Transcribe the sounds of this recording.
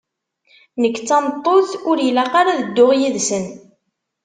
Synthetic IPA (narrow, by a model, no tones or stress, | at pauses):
nəkːt͡sːɑmt̪ˤːoθʊɾjlæqaɾaðəd̪ːʊʁjiðsən